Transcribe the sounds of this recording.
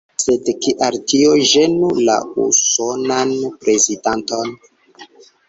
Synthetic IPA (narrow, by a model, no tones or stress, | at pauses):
sedkiʔaɾtioʒenula̰ṵso̞nanpɾezidanto̞n